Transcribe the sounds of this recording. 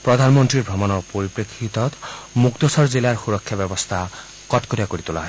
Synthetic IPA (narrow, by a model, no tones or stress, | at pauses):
pɹɔd̪ʱanmɔntɹiɹbʱɹɔmɔnɔpoɹipɹekʰːit̪ɔt̪mukt̪osɔɹzilaɹxuɹɔkʰːjabɛbɔst̪ʰa | kɔtkoɾiakoɹit̪ula̰ɦɔ